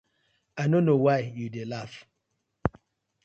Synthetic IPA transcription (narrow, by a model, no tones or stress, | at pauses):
aɪnonowaɪjudelaf